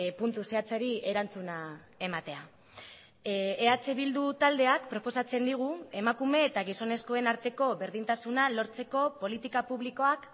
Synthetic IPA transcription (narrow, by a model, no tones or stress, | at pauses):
punt̪use̞at͡seɾie̞ɾant͡suna | e̞mat̪e̞a | eat͡seβild̪ut̪ald̪e̞akpɾo̞po̞sat͡se̞nd̪iɣ̞ue̞makume̞ːt̪aɣ̞iso̞ne̞sko̞e̞naɾt̪e̞ko̞βe̞ɾðint̪asunalo̞ɾt͡se̞ko̞po̞lit̪ikapuβliko̞ak